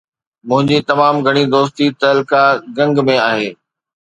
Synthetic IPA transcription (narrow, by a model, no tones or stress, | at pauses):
mʊ̃ɦɪ̃ɲd͡ʑit̪ɐmaːmɡʱɐɽ̃id̪oːst̪it̪ɐlkaɡɐ̃ŋɡmẽaːɦeː